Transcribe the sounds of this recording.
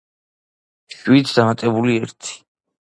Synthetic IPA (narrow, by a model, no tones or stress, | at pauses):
ʃwit̪ʰd̪amat̪ʼɛbuliɛɾt̪ʰi̥